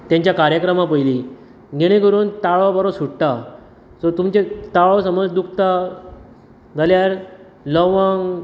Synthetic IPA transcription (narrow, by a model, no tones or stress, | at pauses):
t̪jãɲt͡ɕjakaɾjəkɾəmapəjli | ɡʱeɽ̃ekəɾuːnt̪aɭabəɾosuʈʈa | sɔt̪umt͡ɕet̪aɭosəməd͡zd̪uk̚ʰt̪a | d͡zʱaljaɾ | lɔʋaŋɡ